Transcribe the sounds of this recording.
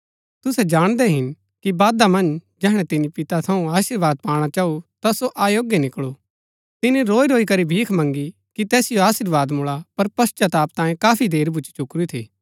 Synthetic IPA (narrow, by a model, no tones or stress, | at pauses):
t̪ʊsɛd͡ʒaːɽ̃d̪ɛɦɪn | kibaːd̪amɐ̃nd͡ʒɛːɦɽ̃ɛt̪ɪnipɪt̪at̪ʰɐũaːʃɪɾʋaːd̪̚paːɽ̃at͡ʃaːut̪asoʔaːjoːɡjenɪkɭo | t̪ɪnĩɾoːiɾoːikɐɾibʱiːkʰmɐ̃ŋɡi | kit̪ɛːsɪjoaːʃɪɾʋaːd̪mʊɭapɐɾpɐst͡ʃat̪aːp̚t̪aːjẽkaːpʰid̪eːɾbʱʊt͡ʃt͡ʃʊkɾut̪ʰiː